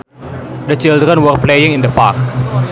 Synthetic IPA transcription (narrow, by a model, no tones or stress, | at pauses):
dət͡ʃild̪ɾənwər̚plejɪŋɪnd̪əpark̚